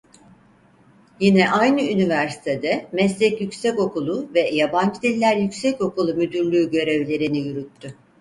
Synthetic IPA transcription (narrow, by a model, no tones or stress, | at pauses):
jinɛʔajnɯynivæɾsi̥t̪ʰed̪ɛmɛslʲɛcjycsɛco̞kulˠuvɛjaband͡ʒɯd̪ilʲːæɾjycsɛco̞kulˠumyd̪yɾlʲyːɟø̞ɾevlʲe̞ɾinijyɾyt̪ʰːʏ